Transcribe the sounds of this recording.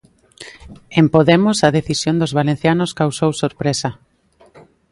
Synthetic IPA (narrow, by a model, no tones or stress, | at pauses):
empoðemʊsɐðeθisjond̪ozβalen̟θjanoskawsowsoɾpɾesɐ